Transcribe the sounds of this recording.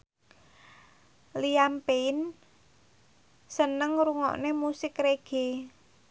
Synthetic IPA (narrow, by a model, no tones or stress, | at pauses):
liampeɪn | sənəŋɾuŋɔ̰ʔnemusɪkɾeɡ̥e̤